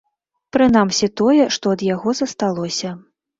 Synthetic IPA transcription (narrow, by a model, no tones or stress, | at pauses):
pɾɨnamsʲit̪ɔjɛʂt̪ɔɐd̪jaɣɔzɐst̪alˠɔsʲɐ